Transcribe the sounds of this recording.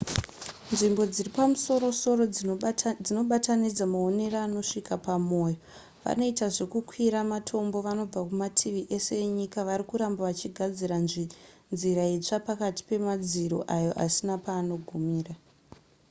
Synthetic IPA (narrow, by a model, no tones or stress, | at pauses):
nʐimbo̞d͡ziripamuso̞ɾo̞so̞ro̞ | d͡zino̞ɓatanid͡zamao̞ne̞raːno̞ʂikapamo̞ːjo | ʋa̰no̞itaʐe̞kukwiɾamatʰo̞mbo̞ʋano̞b͡vakumatʰiʋiʔe̞se̞eɲikaʋaɾikuɾambaʋat͡ʃiɡʱad͡ziɾannziɾait͡ʂapakati̥pe̞mad͡ziɾo̰ʔajo̞ʔasinapaːno̞ɡʱumiːra